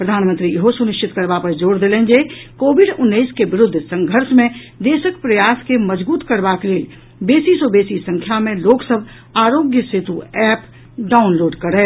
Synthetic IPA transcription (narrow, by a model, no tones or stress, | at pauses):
pɾəd̪ʱaːnmə̃nt̪ɾijɦosʊnɪʃt͡ʃɪt̪̚kəɾbapəɾd͡ʒoːɽd̪elẽnd͡ʒekoːbɪɖʊnːəiskeʋɪɾʊd̪ʱsə̃ŋɡʱəɾsmẽd̪eːʃəkpɾəjaːskeməd͡ʒbuːt̪kəɾbakeleːl | beːsisobeːsisə̃ŋkʰjamẽloːksəbʱ | aːɾoːɡjəset̪uɛːp | ɖaːʊnloːɖkəɾɦɛː